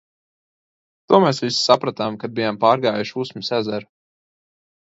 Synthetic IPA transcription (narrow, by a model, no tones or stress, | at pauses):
t̪uɔmɛsvissapɾat̪amkad̪bijampaːɾɡaːjuʃusmʲisæzɛɾ